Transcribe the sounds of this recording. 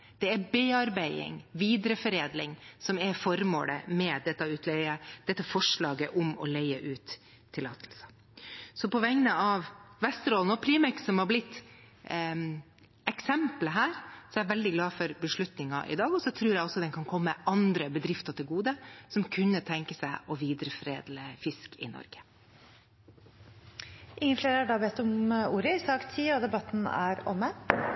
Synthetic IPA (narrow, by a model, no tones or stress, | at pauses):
d̪̥ɛæbeːɑɾbæɪɪ̰ŋʋiːd̪ɾəfɔɾeːd̪lɪŋsɔmɛɾfɔɾmo̰ːlə̰mɛd̪ɛt̪ːɑʉːt̪ʰlɛəd̪̥ɛt̪ːəfɔʂɭɑːɡəʔɔmɔ̰lɛɪəʔʉːt̪ʰː | ɪlɑ̰ːt̪ʰlsə̥ | sɔpɔʋɛŋnəɑʋʋɛst̪ɾɔːlnɔpʰɾiːmɛksɔmhɑɾblɪt̪ː | ɛksɛmpləɦæːɾsɔɛʋɛld̪ɪɡlɑːfɔɾbəʂɭʉt̪nɪŋɑ̰ʔɪ̰d̪ɑːɡɔsɔt̪ʰɾʉːɾjɛæɪɔsːɔd̪ɛnkʰɑnkʰɔmːəʔɑnd̪ɾəbəd̪ɾɪft̪ɑt̪ʰɪlɡuːd̪əsɔmkʰʉnːət̪ʰɛŋkəsæɪɔʋiːd̪ɾəfɾḛːd̪ləfɪskɪ̰nɔ̰ɾɡ̥ə̥ | ʔɪŋːənfleːɾəæɖɑːbɛt̪ːɔmuːɾəɪsɑːkt̪ʰiːɔd̪ɛbɑt̪ːn̩æ̰ɾɔ̰mə